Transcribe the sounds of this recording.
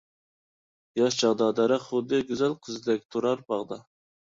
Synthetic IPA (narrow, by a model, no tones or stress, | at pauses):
jɑʃt͡ʃɑʁd̪ɑd̪ɑɾɛχʊd̪ɨɡʲyzælqʰəzɨd̪ɛk̚ʲt̪ʰuɾɑɾbɑʁd̪ɑ